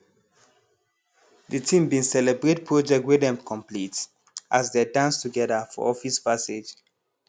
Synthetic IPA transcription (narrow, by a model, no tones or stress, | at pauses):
dətʰĩmbĩnsɛlɛbɹetpʰɹod͡ʒɛk̚twedɛ̃mkʰɔ̃mplit | ʔasdedãnstuɡɛðəfɔ̰ɔfispased͡ʒ